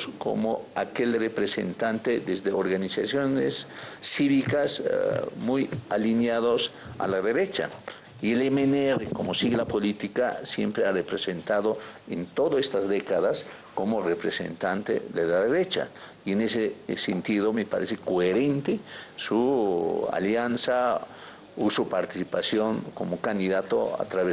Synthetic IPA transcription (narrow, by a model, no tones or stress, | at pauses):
sko̰moakelrepɾesḛnt̪ant̪ed̪ezðeoɾɣanisasjonḛsːiβikasmujalinjaðosa̰laðeɾet͡ʃa̰ | ielemenerekomosiɣelapolit̪ika̰sjempɾearepɾesent̪aðoḛnt̪oðoest̪azd̪ekaðas | komorepɾesḛnt̪ant̪ḛðelaðeɾet͡ʃa̰ | ienesesent̪iðomepa̰ɾesekoeɾent̪esu | a̰ljansa | usupaɾt̪isipasjoŋkomokand̪iðat̪o̰a̰t̪ɾaβe